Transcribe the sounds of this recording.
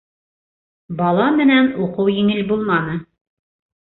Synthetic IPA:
bɑlˠɑmɘ̆nænuqɤwjiŋɘlbulˠmɑnɤ

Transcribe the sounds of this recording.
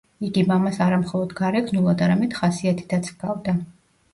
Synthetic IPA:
iɡimamasaɾamχɔlˠɔd̪ɡaɾɛɡʰnulˠad̪aɾamɛd̪̥χasiat̪ʰi̥t̪at̪sʰɡ̥avd̪a

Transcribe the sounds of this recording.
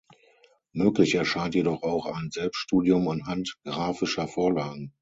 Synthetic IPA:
møːklɪçɛɐʃaɪntjedɔχaʊxaɪnzɛlpstʃtuːdiʊmantɦantɡ̥ʁaːfɪʃɐfoːɐlaːɡŋ̩

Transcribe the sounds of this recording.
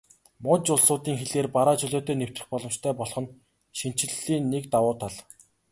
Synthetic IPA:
mʊnt͡ɕʊɮsʊːt̪iːŋxeɮeːrpaɾaːt͡ɕɵɮoːt̪ʰeːnew̥t̪ɘ̆xpɔɮɞ̆mt͡ɕt̪ʰæːpɔɮ̆χɞ̆n | ʃin̥t͡ɕɪ̆ɮiːnːek̚t̪awʊːt̪ʰaɮ

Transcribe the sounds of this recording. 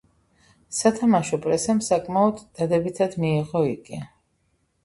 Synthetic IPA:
sat̪ʰamaʃɔpʼɾɛsɛmsakʼmaɔd̪ːad̪ɛbit̪ʰad̪̥miːʁɔiɡʼi

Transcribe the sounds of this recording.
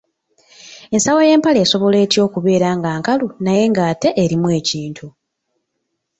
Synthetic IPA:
e̞nsawo̞je̞ːmpale̞ːso̞βo̞le̞ːtjo̞ːkuβe̞ːɾaːŋɡaːŋkalunaje̞ŋɡaːte̞ʔeɾimwe̞ːciːntʰu

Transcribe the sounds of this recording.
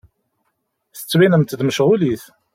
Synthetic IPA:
θə̥t͡sːwinəmt̪ðməʃʁʊliθ

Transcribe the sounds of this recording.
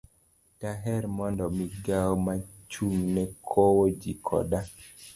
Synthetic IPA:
taɦɛɾmɔndɔmiɡawma | t͡ʃuŋnɛkʰowod͡ʒikʰɔ̰da

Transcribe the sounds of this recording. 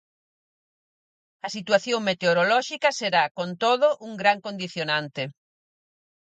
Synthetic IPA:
ɐsit̪waθjoŋmet̪eoɾolɔʃikɐseɾakont̪oðʊʔuŋɡɾaŋkond̪iθjonant̪e

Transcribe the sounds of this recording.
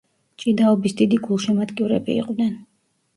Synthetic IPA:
t͡ʃʼid̪aɔbisd̪id̪iɡulˠʃimat̪kʼiuɾɛ̰bḭːqʼvnɛn

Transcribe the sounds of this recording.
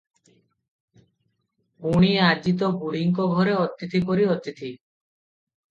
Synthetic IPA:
uɽ̃iad͡ʒit̪̬ɔbuɽ̤iŋkɔɡʱɔɾeɔt̪ːit̪ʰipɔɾiɔt̪it̪ʰi

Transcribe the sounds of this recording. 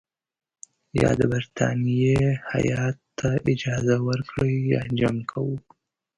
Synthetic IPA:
jɑ̰d̪əbaɾt̪ʰɑ̰nijeha̰jɑt̪ːaʔɪd͡ʒɑːzawəɾkɽəjjɑ̰nd͡ʒamkʰawu

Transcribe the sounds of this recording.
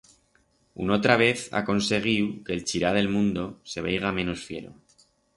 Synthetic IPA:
ṵno̞t̪ɾaβ̞e̞θa̰ko̞nse̞ɣ̞iwke̞ːlt͡ʃiɾaðe̞lmũnd̪o̞se̞β̞ejɣ̞amẽ̞no̞sfje̞̰ɾo̞̰

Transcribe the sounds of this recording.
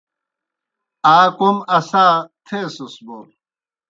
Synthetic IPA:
aːkomɐsaːt̪ʰesusboɾ

